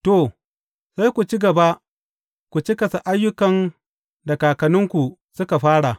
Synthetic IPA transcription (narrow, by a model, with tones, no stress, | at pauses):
to˨ | sa˦jkʷu˨t͡ʃi˦ɡɐ˨ba˦ | kʷu˨t͡ʃi˦kɐ˨sa˨ʔa˦jːʊ˦kɐ˨n | dɐ˨kaː˨kɐ˨nʊ˦ŋkʷu˨sʊ˦ka˨ɸaː˦ɽa˨